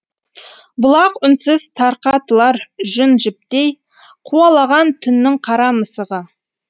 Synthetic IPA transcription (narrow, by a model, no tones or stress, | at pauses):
bʊlˠɑqʊnsəz̥t̪ʰɑɾqɑt̪əlˠɑɾʒʏnʒɪp̚t̪ej | qʰuɑlˠɑʁɑnt̪ʰʏnːɪɴqʰɑɾɑməsəʁə